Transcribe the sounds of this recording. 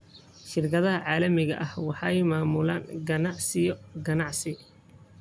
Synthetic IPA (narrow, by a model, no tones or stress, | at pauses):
ʃɪrkʰɐðɐɦɐʕɑːlɐmɪɣɐ̰ʔɐhwɑħɑjmaːmʊlaːŋɡɐnɑʕsɪjɔɡɐnɑʕsɪ